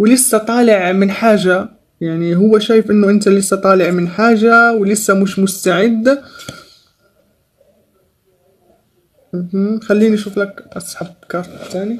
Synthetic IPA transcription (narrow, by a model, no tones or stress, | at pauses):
wlɪsːat̪ˤɑːlɪʕmɪnħaːʒa | jaʕniɦʊwːaʃaːjɪfʔɪnːʊʔɪnt̪alɪsːat̪ˤɑːlɪʕmɪnħaːʒawlɪsːamʊʃmʊst̪aʕɪd̪ː | m̩ɦm̩xalːiːniʔʃuːflakʔɑsˤħɑb̚kɑɾˤt̪t̪aːni